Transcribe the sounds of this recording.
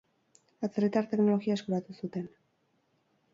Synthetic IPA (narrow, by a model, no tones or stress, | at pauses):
at͡serit̪aɾt̪e̞kno̞lo̞ɣiae̞skuɾat̪usut̪e̞n